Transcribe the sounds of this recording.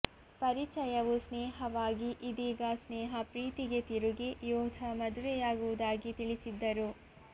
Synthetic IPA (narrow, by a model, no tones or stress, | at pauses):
pɐɾit͡ʃɐjɐʋusnɛːɦɐʋaːɡiʔid̪iːɡɐsnɛːɦɐpɾiːt̪iɡet̪iɾuɡejoːd̪ʱɐmɐd̪ʋɛjaːɡuʋud̪aːɡit̪iɭisid̪ːɐɾu